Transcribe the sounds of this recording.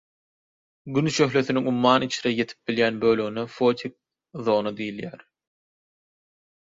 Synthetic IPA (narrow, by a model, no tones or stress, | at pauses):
ɡynʃø̞xle̞θiniŋumːɑːnit͡ʃʰɾeje̞t̪ʰi̥p̚biljæːnbø̞ːlø̞ɣynefo̞t̪ʲʰik̚ | ðo̞ːnɑd̪ijiljæːɾ